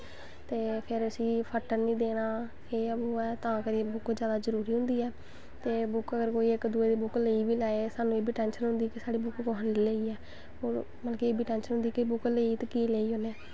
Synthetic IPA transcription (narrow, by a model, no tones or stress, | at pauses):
t̪eːpʰɪɾəsiːpʰəʈəɾnĩːd̪eːɽaː | keoːɛːt̪ãːkəɾiːbʊkd͡ʒjaːd̪aːzəɾuːɾiːɦʊ̃nd̪iːɛː | t̪eːbʊkəɡəɾkoːiːɪkd̪uːeːd̪iːbʊkleːiːʋiːlaːesaːnũːeːbiːʈɛːnʃənɦʊ̃nd̪iːkisaːɽiːbʊkɡoːɦənleiːleːiːɛː | oːɾ | məlkieːbiːʈɛːnʃənɦʊ̃nd̪iːkɪbʊkleiːt̪ːkiːleːiːɦoːneː